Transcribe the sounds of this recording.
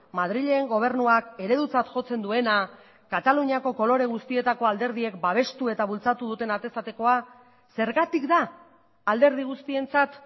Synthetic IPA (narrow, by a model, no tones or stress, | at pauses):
mað̞ɾiʎe̞ːŋɡo̞β̞e̞ɾnuake̞ɾe̞ðut͡sat̪ʝo̞t͡se̞nd̪ue̞na | kat̪aluɲiako̞ko̞lo̞ɾe̞ɣ̞ust̪ie̞t̪ako̞ald̪e̞ɾð̞ie̞kbaβ̞e̞st̪ue̞t̪aβ̞ult͡sat̪uð̞ut̪e̞nat̪e̞sat̪e̞ko̞a | se̞ɾɣat̪ikd̪aː | ld̪e̞ɾð̞iɣ̞ust̪ie̞nt͡sat̪